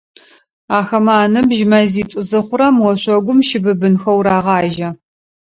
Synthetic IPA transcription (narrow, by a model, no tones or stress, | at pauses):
aːxɐmaːnɨbʒmɐziːtʷʼʊzɨχʷʊɾɐmwɔɕʷɔɡʷʊmʃɪbɨbɨnxɐwɾaːʁɑːʒɐ